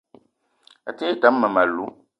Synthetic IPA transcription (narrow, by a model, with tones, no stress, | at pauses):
a˨te˦ta˨˦m̩ː˦a˨ma˨lu˨˦